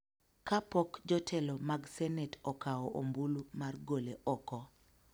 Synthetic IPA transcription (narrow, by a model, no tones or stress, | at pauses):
kapɔkd͡ʒɔtʰɛlɔmaɡsɛnɛtʰɔkaɔʔombulumarɡoleʔɔkɔ